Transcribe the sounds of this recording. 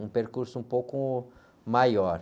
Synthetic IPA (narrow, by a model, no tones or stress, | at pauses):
ũpeɾkuɾsʊũpowkʊ | majɔɾ